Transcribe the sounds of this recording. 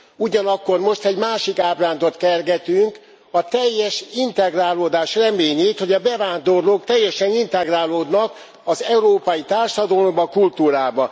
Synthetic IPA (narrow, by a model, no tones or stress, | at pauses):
uɟɒnɒkːo̞rmo̞ʃt̪ɛɟmaːʃikaːbraːnd̪o̞t̪kɛrɡɛt̪yŋk | ɒt̪ɛjːɛʃint̪ɛɡraːloːd̪aːʃrɛmeːɲeːt̪ho̞ɟɒbɛvaːnd̪o̞rloːk̚t̪ɛjːɛʃɛnint̪ɛɡraːloːd̪nɒk | ɒzɛuɾoːpɒjit̪aːrʃɒd̪ɒlombɒkult̪uːɾaːbɒ